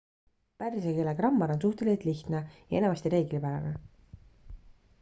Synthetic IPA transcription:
pæɾisekeleɡrɑmːɑɾo̞ns̬uht̪e̞lʲiset̪liçt̪nejɑe̞nemɑst̪iɾe̞ːɡ̥lipæɾɑ̰ne

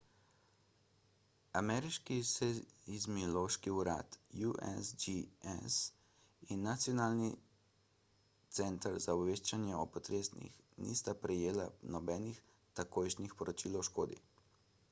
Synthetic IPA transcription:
amɛɾiʃkisɛizmiɔloːʃkiuɾa̰ːt̪juʔɛ̰sd͡ʒiɛ̰s | inːat̪sijɔnaːlni | t̪sɛnt̪əɾzaɔbʋeːʃt͡ʃanjɛɔpɔt̪ɾeːsnḭx | nḭst̪apɾɛjeːlanɔbɛːnix | t̪akoːjʃnixpɔɾɔt͡ʃiːlwʃkoːd̪ḭ

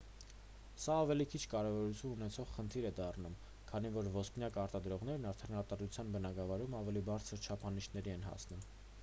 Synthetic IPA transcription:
sɑːvɛlikʰit͡ʃʰkɑɾɛvɔɾut͡sʰjununɛt͡sʰɔʁχənt̪ʰiɾɛd̪ɑrnum | kʰɑn̪ivɔɾvɔsknjɑkɑɾt̪ɑd̪ɾɔʁn̪ɛɾnɑɾt̪ʰɛnɑɾt̪ɑd̪ɾut͡sʰjɑnbənɑɡɑvɑɾumɑvɛlibɑɾt͡sʰəɾt͡ʃʰɑpʰɑniʃnɛɾiɛnɦɑ̰snum

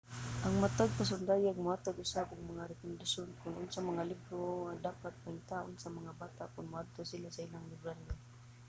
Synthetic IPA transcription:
ʔaŋmat̪aɡ̚pas̬ʊnd̪aːjaɡ̚mʊhat̪aɡɪsabʊɡ̚maŋaɾɛkʊnd̪asonkʊnʔʊnsamaŋalɪbɾoad̪aːpat̪̚paɪnt̪aːʔʊnsamaŋabaːt̪aʔkʊnmʊad̪̚t̪osɪlasailaŋlɪbɾanʊn

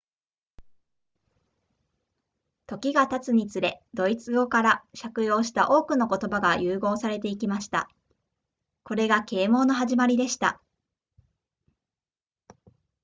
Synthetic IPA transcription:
t̪o̞kʲiɡat̪at͡sɨɲ̟it͡sɨɾe̞d̪̥o̞it͡sɨɡo̞kaɾaɕakɯ̟jo̞ːɕi̥t̪aʔo̞ːkɯ̟no̞ko̞t̪o̞baɡajɯːɡo̞ːsaɾe̞t̪e̞ik̬ʲimaɕi̥t̪a̰ | ko̞ɾe̞ɡake̞ːmo̞ːno̞ɦaʑimaɾʲid̪e̞ɕi̥t̪a̰

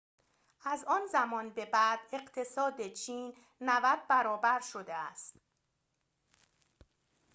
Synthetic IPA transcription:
ʔæzɒːnzæmɒːnbe̞bæːd̪̥e̞ɢt̪ʰe̞sɒːd̪et͡ʃʰiːnː | ævæd̪̥̚bæɾɒːbæɾʃo̞d̪eæst̪

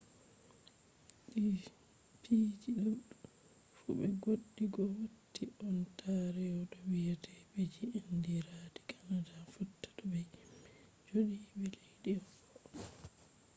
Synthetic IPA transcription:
ɗi | piːd͡ʒiɗuɗu | fṵbɛɡoɗːiɡɔwotʰːiʔɔntʰaɾɛɔɗɔwijatʰɛbed͡ʒiendiɾaːdi̥kanadafutːḁɗɔbɛj | d͡ʒoɗibɛlejɗifɔ

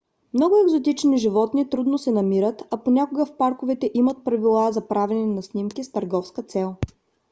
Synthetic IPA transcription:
mnɔɡʊɛɡzot̪̬it͡ʃniʒivɔt̪nit̪ɾud̪nosɛnɐmiɾət̪ɐponʲakʊɡəfpaɾkʊvɛt̪ɛʔimət̪̚pɾɐvilˠazɐpɾavɛninɐsnimkist̪ɐɾɡɔfskət̪sɛlˠ

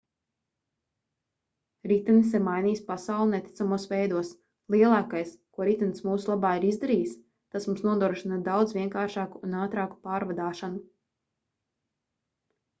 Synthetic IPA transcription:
ɾit̪nsɛmajniːspasawlˠinɛt̪ʲi̥t̪samuɔsʋɛjd̪uɔs | lˠiɛlˠɑːkajskuɔɾit̪nsmuːsulˠabaːiɾizd̪aɾiːs | t̪asmumsnuɔd̪ɾuɔɾʃinad̪awd̪zvʲiɛŋkaːɾʃaːkuːnaːt̪ɾaːku̥paːɾvad̪aːʃanu

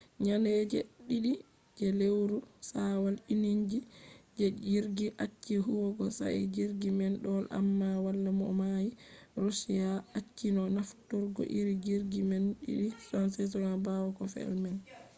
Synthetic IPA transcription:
ɲanɛd͡ʒɛɗiɗi | d͡ʒɛlewɾusawaliniɲd͡ʒid͡ʒɛd͡ʒiɾɡiʔat͡ʃːiɦuwɔɡɔsa̰ɛ̰d͡ʒiɾɡimɛnɗɔlʔa̰mːawalːamɔ̰majiɾosijaat͡ʃːinɔnaftɔɾɡɔ̰ʔiɾid͡ʒiɾɡimɛnɗḭɗifansɛt̬ɔɾabawɔkɔfɛ̰lmɛn

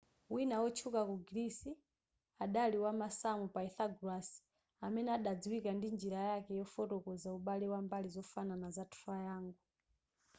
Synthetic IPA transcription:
winawɔt͡ʃʰukakuɡiɾisi | aɗaliwamasamupaiθaɡɾasi̥ | amɛnɛaɗad͡ziwikandind͡ʒiɾajakɛjɔfɔtɔkɔzauɓaliwambalizɔfananazatʰuajaːŋɡu

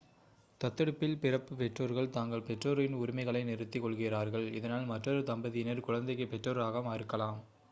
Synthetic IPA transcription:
t̪ɐt̪ːɐɽɯpːɪlpɪɾɐpːɯpɛʈroːɾɣɐɭt̪aːŋɡɐɭpɛʈroːɾɪnʊɾɪmɐɪɣɐɭɐɪnɪɾɯt̪ːikːɔɭɣɪɾaːɾɣɐɭɪðɐnaːlmɐʈrɐɾɯt̪ɐmbɐðɪjɪnɐɾkʊɻɐnd̪ɐɪkːɯpɛʈrɐɾɾaːɣɐmaːɾɯkːɐlaːm

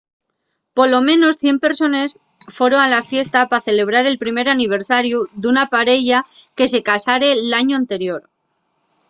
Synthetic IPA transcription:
po̞lo̞mẽ̞no̞sθje̞mpe̞ɾso̞ne̞s | fwe̞ɾo̞alafje̞st̪apaθe̞le̞β̞ɾaɾe̞lpɾime̞ɾaniβ̞e̞ɾsaɾjuðunapaɾe̞ʝake̞se̞kasaɾe̞laɲoant̪e̞ɾjo̞ɾ

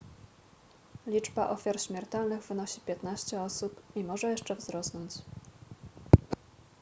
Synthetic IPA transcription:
lʲid͡ʐbaʔɔfʲjaɾɕmʲɛɾt̪ɛlnɘɣvɘnɔɕipʲjɛt̪naɕt͡ɕɛɔsupimɔʐɛjɛʂt͡ʂɛvzɾɔsnɔɲt͡ɕ

